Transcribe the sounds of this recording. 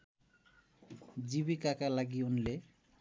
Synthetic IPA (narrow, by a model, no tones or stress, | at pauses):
d͡ʑibikakalaɡiunle